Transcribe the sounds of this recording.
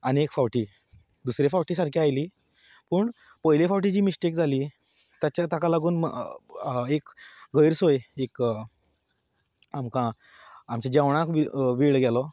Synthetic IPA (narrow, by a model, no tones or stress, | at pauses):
aniekfawʈiː | d̪usɾefawʈiːsaɾkʰiajliː | puːɳ | pəɦjlefawʈ̬id͡ʑiːmisʈekd͡zʱaliː | t̪jat͡ɕat̪akalaɡuːn̰ | ekɡəjɾsojeek | amkã | amt͡ɕad͡ʑaʋɽ̃ãkʋiʋiɭɡalɔ